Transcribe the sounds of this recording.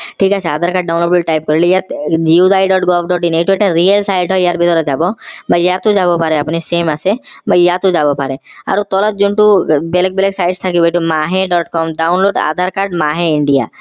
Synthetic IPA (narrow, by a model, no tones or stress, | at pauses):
ʈʰikasʰead̪ʱaɾkaɖ̚ɖawnloɖbeʈajp̚kɔɾilijat̪d͡ʒiwd̪ajɖɔʈɡɔbʰɖɔʈineʈueʈaɾielsajʈɦɔjjaɾbit̪ɔɾɔd͡ʒabɔbʱajjat̪ud͡ʒabɔpaɾeapnisemasʰebʱajjat̪ud͡ʒabɔpaɾea̰ɾut̪ɔlɔt̪̚d͡ʒuɳʈubelɔk̚beleksajʈst̪ʰakibejʈumaɦẽɖɔʈkɔmɖawnloɖa̰d̪ʱaɾkaɾɖmaɦẽiɳɖija̰